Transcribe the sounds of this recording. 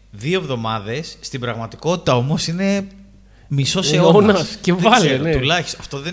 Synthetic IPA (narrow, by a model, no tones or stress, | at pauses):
ðioevðo̞mɐðe̞sːt̪ibɾɐɣmɐt̪iko̞t̪it̪ɐo̞mo̞sine̞ | miso̞seoonɐcevɐleulɐçi̥sɐft̪o̞ðe